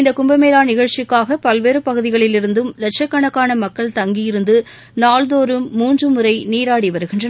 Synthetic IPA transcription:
ɪnd̪ɐkʊmbɐmeːlaːnɪɣɐɻt͡ʃɪkːaːɣɐpɐlʋeːɾɯpɐɣɯðɪɣɐɭɪlɪɾɯnd̪ɯmlɛʈ̚t͡ʃɐkːɐɳɐkːaːnɐmɐkːɐɭt̪ɐŋɡɪjɪɾɯnd̪ɯ | naːlðoːɾɯmːuːndrɯmɯɾɐɪniːɾaːɽiʋɐɾɯɣɪndrɐnɐ

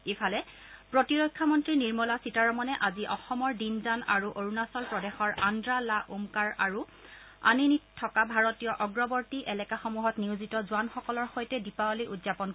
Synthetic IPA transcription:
epʰalɛ | pɹotiɹɔjkʰːamɔntɹiniɹmɔlasitaɹɔmɔnɛʔaziʔɔxɔmɔɹdinzanaɹuʔoɹunasɔlpɹɔdɛxɔɹandɹalaʔumkaɹa̰ɹu | a̰ninitʰːɔkabʱaɹɔtijɔʔɔɡɹɔbɔɹtiʔɛlɛkaxomuɦɔtniwzitɔzuwanxɔkɔlɔɹxojtɛdipawɔlijʔudzapɔn

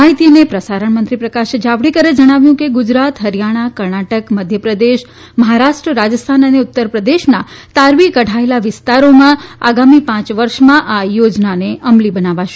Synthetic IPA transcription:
aɦit̪inepɾəsaɾəɳ̃mənt̪ɾipɾəkaʃed͡ʒaʋɽikəɾed͡ʒəɽ̃aʋjũkeɡud͡ʒɾat̪ɦəɾjaɽ̃akəɾɳaʈəkməd̪ʱjəpɾəd̪eʃ | məɦaɾaʃʈɾəɾad͡ʒəst̪ʰanəneʊt̪ːəɾpɾəd̪eʃnat̪aɾʋikəʈaelaʋɪst̪aɾomãa̰ɡamipãt͡ʃʋəɾʃmãʔajod͡ʒnaneʔəmlibənaʋaʃe

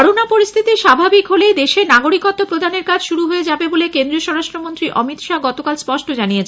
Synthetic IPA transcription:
ɾonapoɾist̪ʰit̪iʃabʱabikɦoled̪eʃenaɡoɾikot̪ːopɾod̪ʱaneɾkad͡ʑʃuɾuɦoed͡ʑabebolekend̪ɾioʃɔɾaʃʈɾomont̪ɾiʔɔ̰mit̪ʃaɡɔt̪okalspɔʃʈod͡ʑanijet͡ɕʰ

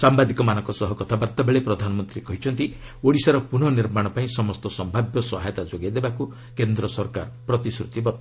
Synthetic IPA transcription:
sambad̪ikɔmanɔ̃ŋkɔsɔɦɔkɔt̪ʰabaɾt̪ɔbeɭepɾɔd̪ʱanɔmɔnt̪ɾikɔɦit͡ʃʰɔnt̪ioɽisaɾɔpun̤ɔniɾmaɽ̃ɔpaĩsɔmɔst̪ɔsɔmbʱabjɔsɔɦajt̪ad͡ʒoɡed̪ebaku | kend̪ɾɔsɔɾka̰ɾpɾɔt̪isɾut̪ibɔt̪ː

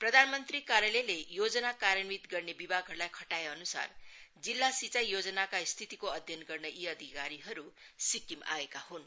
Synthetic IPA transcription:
prʌd̪ʱanmʌnt̪rikaɾjʌlelejod͡zʌnakaɾjʌnmit̪ɡʌrnebibʱaɡʱɦʌɾulajkʰʌʈaeʌnusa̰rd͡zilːasit͡sajod͡zʌnakast̪ʰit̪ikoʌd̪ʱjʌnɡʌrnʌʔiʌd̪ʱikaɾiɦʌɾusikima̰ekahun

